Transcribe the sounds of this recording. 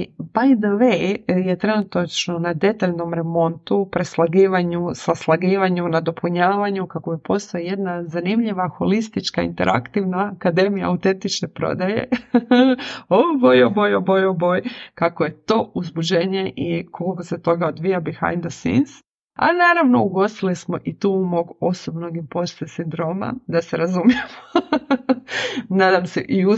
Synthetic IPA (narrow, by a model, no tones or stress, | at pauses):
bajd̪oʋejje̞t̪ɾe̞nut̪at͡ʃno̞nad̪e̞t̪aʎnomɾe̞mo̞nt̪upɾeslˠaɡiːʋaɲusaslˠaɡiːʋaɲunad̪o̞pʰuɲaːʋaɲukakobipo̞st̪oije̞d̪nazanimʎiʋaxo̞list̪it͡ʃkaḭnt̪e̞ɾʔa̰kt̪iʋnaːkad̪e̞mija̰aut̪e̞nt̪it͡ʃnepɾo̰d̪aje̞̰ | obojobojobojobojkakoje̞t̪o̞ːuzbud͡ʒe̞ɲe̞ʔikolikoset̪o̞ɡaod̪ʋijabixa̰jnd̪osḭns | a̰naːɾaʋno̞̰uɡo̞st̪ilismo̞ʔit̪uːumo̞ɡo̞sobnoɡimpo̞st̪esind̪ɾo̞ma̰d̪aseɾazumijemo | naːd̪amseʔiu